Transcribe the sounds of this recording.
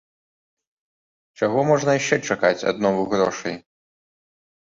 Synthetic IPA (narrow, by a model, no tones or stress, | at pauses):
t͡ʂaɣɔmɔʐnɐjʃt͡ʃɛt͡ʂakat͡sʲa̰d̪nɔvuɣɾɔʂɐ̰j